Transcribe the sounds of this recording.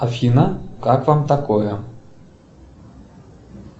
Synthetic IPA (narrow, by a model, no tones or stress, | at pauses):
ɐfʲinɐkakvamt̪ɐkojə